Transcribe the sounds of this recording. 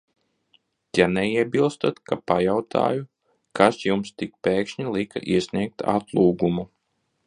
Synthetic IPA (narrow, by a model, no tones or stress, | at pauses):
janɛiɛbilˠst̪at̪kapajawt̪ʰa̰ːju | kʰasjumst̪ik̚peːkʃɲilˠika̰ʔiɛsniɛk̚t̪ʰa̰t̪lˠuːɡumu